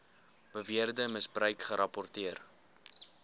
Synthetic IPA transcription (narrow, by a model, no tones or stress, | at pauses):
b̥əviərdəməsbrəɥkχəɾɐpɔrtiər